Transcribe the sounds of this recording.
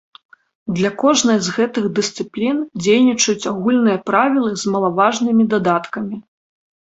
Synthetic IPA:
d̪lʲɐkɔʐnɐjzɣɛt̪ɨɣd̪ɨst̪sɨplʲind͡zʲejnʲit͡ʂɐjut͡sʲaɣulʲnɨjɐpɾavʲilˠɨzmɐlˠavaʐnɨmʲid̪ad̪at̪kɐmʲi

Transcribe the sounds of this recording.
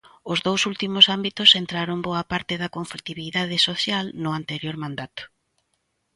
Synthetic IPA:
ʊzðowsult̪imʊsambit̪ʊsent̪ɾaɾʊmboɐpaɾt̪ɪðɐkoɱflit̪iβiðað̞ɪsoθjalnʊant̪eɾjoɾmãnd̪at̪ʊ̥

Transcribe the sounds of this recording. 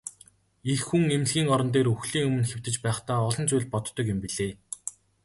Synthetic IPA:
exxuŋem̆ɮɣʲiːŋɔɾɞ̆nt̪̬eːɾɵxɮiːŋɵmɵ̆nxew̥t̪ɘ̆t͡ɕpæːχt̪aːɔɮɞ̆nt͡sʊjɮpɔt̪ːɞ̆kjɪmpiɮeː

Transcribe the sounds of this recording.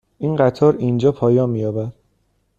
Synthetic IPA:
ʔinɢæt̪ʰɒːɾind͡ʒɒːpʰɒːjɒːnmijɒːbæd̪̥

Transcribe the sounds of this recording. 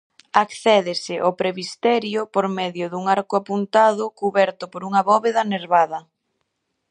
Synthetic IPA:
akθɛðɪsɪʔopɾeβist̪ɛɾjʊpoɾmɛðjʊðuŋaɾkʊapunt̪aðʊkuβɛɾt̪ʊpoɾuŋɐβɔβeðɐneɾβaðɐ

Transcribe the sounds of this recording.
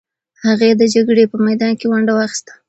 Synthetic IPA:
haɣed̪əd͡ʒaɡɽepəmajd̪ɑnkewaɳɖawɑxi̥st̪ḁ

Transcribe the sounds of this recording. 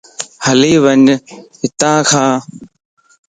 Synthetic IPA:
həliːʋəɲɦɪt̪ãːkʰãː

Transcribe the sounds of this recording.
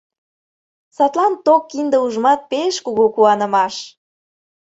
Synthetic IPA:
sɑt̪lɑnt̪okːind̪əuʒmɑt̪̚peʃkuɣukuɑnə̆mɑʃ

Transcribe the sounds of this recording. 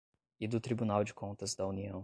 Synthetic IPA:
ɪd̪ʊt̪ɾibunawd͡ʒɪkʰõnt̪ɐzd̪ɐuniɐ̃w̃

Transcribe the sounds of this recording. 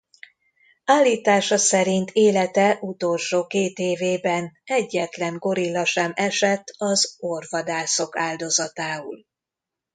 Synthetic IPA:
aːlːiːt̪aːʃɒsɛɾint̪ʰeːlɛt̪ɛʔut̪o̞lʃoːkeːt̪eːveːbɛnɛɟːɛt̪lɛŋɡo̞ɾilːɒʃɛmɛʃɛt̪ːɒzorvɒd̪aːso̞kaːld̪o̞zɒt̪aːṵl

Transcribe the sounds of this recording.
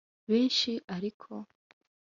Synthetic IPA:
βeːnʃiʔaɾikʰo

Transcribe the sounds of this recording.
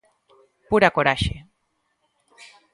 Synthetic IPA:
puɾakoɾaʃḛ

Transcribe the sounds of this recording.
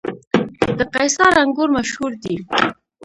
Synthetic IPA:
d̪əqajsɑɾaŋɡoɾmaʃhuɾd̪i

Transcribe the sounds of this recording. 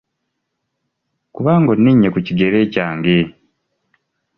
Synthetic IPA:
kuβaːŋɡo̞nːiɲːe̞kuciɡe̞ɾe̞ːcaːŋɡe

